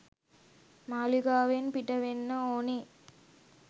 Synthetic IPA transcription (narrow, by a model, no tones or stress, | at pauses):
maːliɡaːʋenpiʈəʋenːəoːne